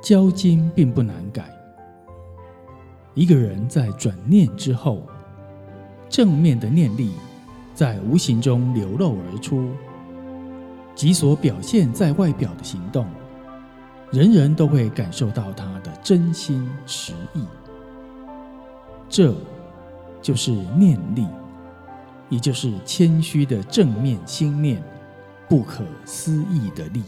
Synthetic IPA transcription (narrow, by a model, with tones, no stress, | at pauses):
t͡ɕjɑ˥ʊt͡ɕi˥ŋpi˥˧ŋpu˥˩na˧˥nka˨˩˦ɪ | i˧˥ɡə˧ɻə˧˦nt͡sa˥˩ɪʈ͡ʂwa˨˩nnjɛ˥˨nʈ͡ʂɻ̩˥xo˥˩ʊ | ʈ͡ʂɤ˥˨˧ŋmjɛ˥˩nd̪ə˩njɛ˥˧nli˥˨ | t͡sa˥˩ɪu˧˥ɕi˧˥ŋʈ͡ʂʊ˥ŋljo˧˥ʊlo˥˩ʊwe˧˥ʈ͡ʂʰu˥ | t͡ɕi˧˥swɔ˧˥pjɑ˨˩ʊɕjɛ˥˧nt͡sa˥˧ɪwa˥˩ɪpjɑ˨˩ʊd̪ə˦ɕi˧˥ŋt̪ʊ˥˨˩ŋ | ɻə˧˥nɻə˧˥nt̪o˥ʊxwe˥˩ɪka˨˩nʂo˥˧ʊt̪ɑ˥˩ʊt̪ʰa˥d̪ə˨ʈ͡ʂə˥nɕi˥nʈ͡ʂʰɻ̩˧˦i˥˩ | ʈ͡ʂɤ˥˧ | t͡ɕjo˥˧ʊʂɻ̩˥˩njɛ˥˧nli˥˩ | jɛ˨˩t͡ɕjo˥˧ʊʂɻ̩˥˩t͡ɕʰjɛ˥nɕy˥d̪ə˨ʈ͡ʂɤ˥˧ŋmjɛ˥˨nɕi˥ŋljɛ˥˨n | pu˥˩kʰɤ˨˩sɹ̩˥˦i˥˩d̪ə˩li˥˩˨